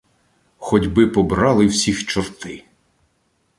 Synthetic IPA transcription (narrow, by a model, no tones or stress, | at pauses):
xɔdʲbɪpɔbɾɑlˠɪwsʲixt͡ʃɔrt̪ɪ